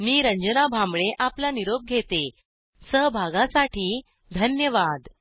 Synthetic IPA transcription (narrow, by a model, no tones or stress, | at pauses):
miːɾəɲd͡ʑənabʱamɭeʔaplaniɾob̚ɡʱet̪e | səɦbʱaɡãsaʈiː | d̪ʱənjəʋad̪